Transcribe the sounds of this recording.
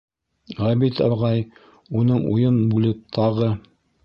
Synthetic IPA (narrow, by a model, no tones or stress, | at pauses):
ʁæbit̪æ̰bʁɑj | unɤɴṵjɤnbulɘp̚t̪ʰɑʁɤ